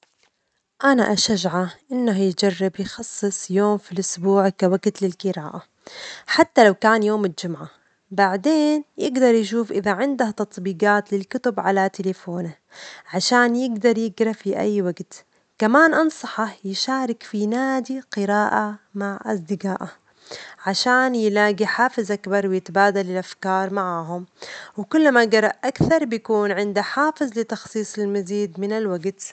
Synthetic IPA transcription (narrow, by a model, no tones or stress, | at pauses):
ʔana̰ʔaʃaʒʕaʔɪnːaɦjd͡ʒarːɪbjxɑsˤːɨsˤjoːmfilʔʊsbuːʕkawaɡt̪lɪlqɨɾaːʔa | ħat̪ːalawkaːnjoːmɪld͡ʒʊmʕa | baʕd̪eːnjɪɡd̪ɑɾˤjʃuːfʔɪðaʕɪnd̪aht̪ɑt̪ˤbiːɡɑːt̪lɪlkʊt̪ʊbʕalat̪ɪlefoːna | ʕaʃaːnjɪɡd̪ɑɾˤjɪɡɾɑfiʔa̰jːwaɡt̪ | kamaːnʔɑnsˤɑħɑjɪʃaːɾɪkfinaːd̪iqɪɾaːʔamaʕʔa̰sˤd̪ɪɡaːʔa | ʕaʃaːnjɪlaːɡiħaːfɪzʔakbɑɾˤwɪjɪt̪abaːd̪alɪlʔafkɑːɾˤmaʕaːɦʊmwkʊlːmaɡɑɾˤɑʔʔakθɑɾˤbjakuːnʕɪnd̪aħaːfɪzˤlɪt̪ɑxsˤiːsˤɪlmaziːd̪mɪnalwaɡt̪